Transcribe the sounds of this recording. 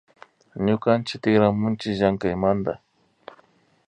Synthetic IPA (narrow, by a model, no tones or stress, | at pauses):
ɲʊkant͡ʃɪt̪ɪxɾamʊnt͡ʃɪʒaŋkajmand̪a̰